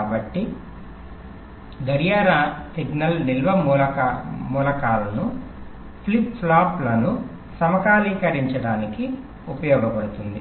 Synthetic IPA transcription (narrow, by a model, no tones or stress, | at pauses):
bɐʈːi | ɡ̪ɐɾjaːɾasiɡnɐlnilʋɐmulɐkamuːlɐkaːlɐnu | pʰlipslaːplɐnu | sɐmɐkaːliːkɐɾiɲt͡ʃɐɽaːniki | upɐjɔːɡɐpɐɽut̪und̪i